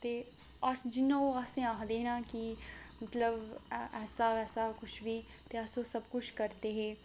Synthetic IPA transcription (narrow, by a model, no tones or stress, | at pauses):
t̪e | aːsd͡ʒɪnːaoaːsẽaːɦd̪eːnakimɐt̪ləbʔɛːsaɛːsakʊt͡ʃʰbʱi | t̪eaːsosɐbkʊt͡ʃʰkɐɾt̪eɦɛ̃ː